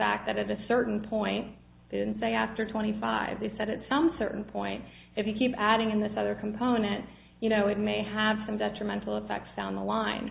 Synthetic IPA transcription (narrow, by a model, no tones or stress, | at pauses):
fæ̰k̪̚ðɨɾɨɾɨsɜ˞ʔn̩pʰɔ̃ɪ̃nt̚ | ðeɪdɪdⁿn̩tseɪæftə˞tʰw̥ɛ̃ɾ̃ifa̰ɪvðeɪsɛɾɨtsʌ̃msɜ̰˞ʔn̩pʰɔ̃ɪ̃nt | ɨfjɨkʰipæɾɪ̃ŋɨ̃nðɪsʌðə˞kʰm̩pʰõʊ̃nɨ̃nt | jɨɾ̃oʊɨt̚meɪəv̥sʌ̃mdɛtɹ̥ɨmɛ̃ntˡl̩ˠəfɛ̰k̚tsd̥ãʊ̃nðəlãɪ̃n